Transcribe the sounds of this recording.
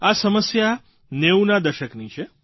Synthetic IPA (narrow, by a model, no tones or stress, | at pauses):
asəməsja | neunad̪əʃəknit͡ʃʰe